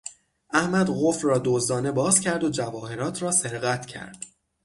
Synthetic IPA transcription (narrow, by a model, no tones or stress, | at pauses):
ʔæhmæd̪ɣofrɒːd̪oːzd̪ɒːne̞bɒːzcʲʰæɾd̪o̞d͡ʒævɒːhe̞ɾɒːt̪ʰɾɒːse̞ɾɣæt̪ʰcʰæ̰ɾd̪̥